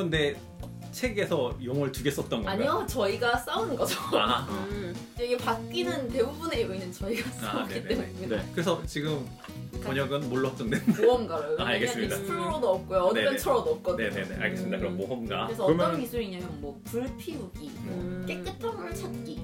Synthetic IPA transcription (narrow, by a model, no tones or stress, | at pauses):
kɯnde̞ | t͡ɕʰe̞ɡe̞sʰʌjoŋɯɭtuɡes͈ʌt̚t͈ʌnɡʌaɲiot͡ɕʌiɡas͈aunɯnɡʌd͡ʑoa | eɡepakk͈inɯnte̞bubune̞ɯinɯnt͡ɕʌiɡas͈aaeitneemuniinkɯɾesʰʌt͡ɕiɡɯm | pʌɲʌɡɯnmoɭːʌt͡ɕ͈ʌŋdwenɯdoʌmɡaɾojoaaɭɡes͈ɯmidapuɾonʌk͈ojoʌneʌnt͡ɕʰʌɾonʌk͈ʌdnene̞neʔa̰ɭɡes͈ɯmid̪akɯɾʌnmoɦʌmɡaɯɾesʰʌʌɯɾʌmjʌnmisʰuɾiɲamjʌnmwʌpuɭpʰiuɡik͈ek͈ɯtʰamuɭt͡ɕʰat̚k͈i